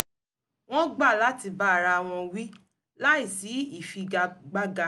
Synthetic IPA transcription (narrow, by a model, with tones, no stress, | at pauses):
w̃ɔ̃˦ɡ͡ba˦˨la˨˦ti˧ba˦a˨ɾa˧w̃ɔ̃˧wi˦ | la˦i˦˨si˨˦i˦˨fi˧ɡa˧ɡ͡ba˦ɡa˧